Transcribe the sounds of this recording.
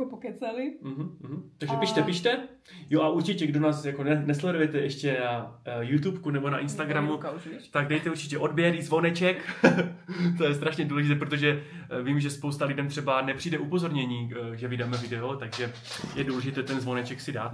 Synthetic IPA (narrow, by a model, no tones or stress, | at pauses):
pokɛt͡sɛlɪm̩ɦm̩ːɦm̩t̪aɡʒɛpiʃt̪ɛpiʃt̪ɛ | joʔaʔuɾt͡ʃɪcɛɡdo̞naːsjako̞nɛnɛslɛdujɛt̪ɛʔɛʃcɛnajut̪upkunɛbo̞naʔɪnst̪aɡɾamut̪aɡdɛjt̪ɛuɾt͡ʃɪ̥cɛʔo̞dbjɛɾizvonɛt͡ʃɛk | t̪o̞jɛst̪ɾaʃɲɛduːlɛʒɪt̪̬ɛːpɾo̞t̪̬o̞ʒɛ | viːmʒɛspowst̪alɪdɛmt̪r̝̥ɛbanɛpr̥iːdɛʔupo̞zo̞ɾɲɛɲiːʒɛvɪdaːmɛvɪdɛo̞t̪aɡʒɛ | jɛduːlɛʒɪt̪ɛːt̪ɛnzvo̞nɛt͡ʃɛksɪda̰ːt̪